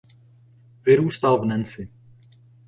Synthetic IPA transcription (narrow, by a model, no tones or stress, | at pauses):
vɪɾuːst̪alvnɛnt͡sɪ